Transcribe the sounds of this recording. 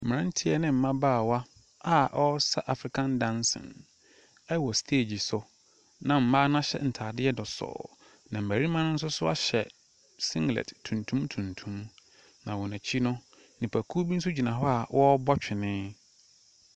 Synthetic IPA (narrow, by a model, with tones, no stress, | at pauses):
m̩˨m˨ɾã˦n̩˦tʰɪ˦ɛ˨nɪ̃˦m̩˨˦mã˦baː˦˨wa˦ | a˨ʔɔ˦sa˦ʔa˨fɾi˨kʰã˦ndã˦nsɪ̰̃˨n | ɛ˦wɔ˨stʰeː˦˨d͡ʑi˨sʊ˨ | nã˨m̩˦mãː˦nã˦ɕɛ̰˦n̩˨tʰaː˨dɪ˦ɛ˦dɔ˨sɔ̰ː˨ | nã˨m̩˨æ˨ɾi˦mã˦nʊ̃˦n̩˦s̬ʊ˦sʊ˦a̰˦ɕɛ̰˨ | sɪ̃˦ŋɡlɛ̰˨dtʰũ˨ntʰũ˦mtʰũ˨ntʰũ˦m | nã˨wɔ˨næ̃˨t͡ɕʰi˦nʊ̃˦ | nĩ˨pʰæ˨kʰu˦bi˦n̩˦s̬ʊ˦d͡ʑi˨nã˨ɦɔ˦a˨wʔɔ˦bɔ˦t͡ɕᶣɪ˨nɪ̃˦